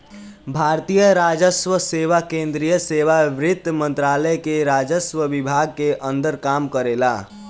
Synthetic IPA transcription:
bʱaɾt̪ijəɾad͡ʒəsʋəseʋakẽnd̪ɾijəseʋaʋɾɪt̪ːmənt̪ɾaləjkeɾad͡ʒəsʋəʋibʱaɡ̚keʔənd̪əɾkamkəɾela̰

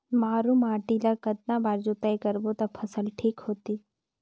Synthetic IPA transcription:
maːɾũmaːʈilakɐd̪nabaːɾd͡ʒuːt̪aikɐɾbot̪ɐpʰɐsəlʈʰiːkɦoːt̪iː

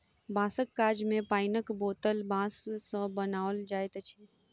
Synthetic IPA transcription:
bãːsəkːaːd͡ʒmẽpaːɪnəkboːt̪əlbãːsːə̃bənaːʋld͡ʒaːjt̪ət͡ʃʰi

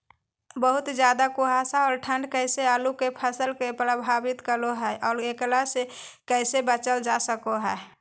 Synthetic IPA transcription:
bəɦut̪d͡ʒjad̪akoɦasaɔːɾʈʰəɳɖkəjseəlukepʰəsəlkepɾəbʱabit̪kəloɦɛʔɔːɾeklasekəsebət͡ʃəld͡ʒasəkoɦəɛ

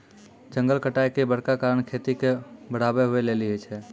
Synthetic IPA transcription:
d͡ʒə̃ŋɡəlkəʈajkebəɽ̤kakaːɾəɳkʰet̪ikebəɽ̤abeɦʊeleliɦet͡ʃʰɛ

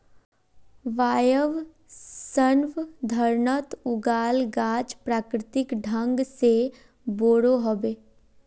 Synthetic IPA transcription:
ʋaːjəʋ | sənʋd̪ʱəɾnət̪ʊɡaːlɡaːd͡ʒpɾaːkɾɪt̪ɪkɖʱə̃ŋɡse | boːɽoɦobeː

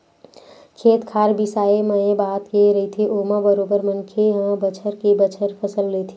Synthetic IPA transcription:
kʰeːt̪kʰaːɾbʱisaːeməẽbaːt̪keɾɐɦit̪ʰeʔoːmãbəɾoːbəɾmənkʰeɦə̃bət͡ʃʰəɾkebət͡ʃʰəɾpʰəsəllet̪ʰeː

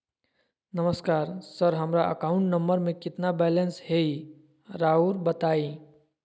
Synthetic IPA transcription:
nəməskaːɾsəɾɦəmɾaʔə̰kaːʊ̃ɳʈnəmbəɾmẽkɪt̪nabɛlẽnshei | ɾauɾbət̪aːi

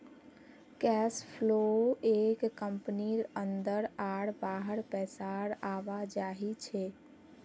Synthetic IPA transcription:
kɛspʰloekkːəmpniɾənd̪əɾaɽbaɦəɽpɛsaɽaʋad͡ʒaːɦit͡ʃʰe

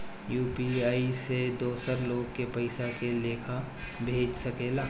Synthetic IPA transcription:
juːpiaːised̪oːsəɾloːɡ̚kepəɪsakeleːkʰa | bʱeːd͡ʒsəkeːlaː

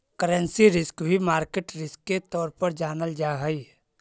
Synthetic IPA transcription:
kəɾə̃nsiɾɪskbʱimaːɾkeʈɾɪskːet̪ɔːɾpəɾd͡ʒaːnəld͡ʒaːɦəi

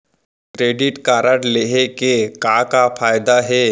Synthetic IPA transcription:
kɾeɖiʈkaɾəʈleɦekekakafajd̪aɦe

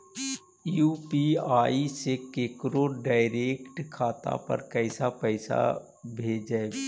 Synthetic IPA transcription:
juːpiaːisekeːkɾoɖaːɪɾeːkʈkʰaːt̪a̰pɐ̰ɾkɛɪsapɛɪsa̰ | bʱeːd͡ʒaeɡ

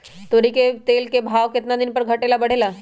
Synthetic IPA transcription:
t̪oɾiket̪elkebʱaʋket̪nad̪inpəɾɡʱəʈelabəɽ̤ela

